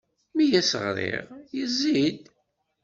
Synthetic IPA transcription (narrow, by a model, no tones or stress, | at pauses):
mijæsəʁɾḭʁjəzːid̪